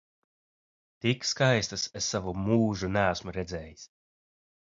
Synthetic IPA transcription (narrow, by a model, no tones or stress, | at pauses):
t̪ikskajst̪ɨsesːavumuːʒunææsmuɾɛd̪zʲɛːjis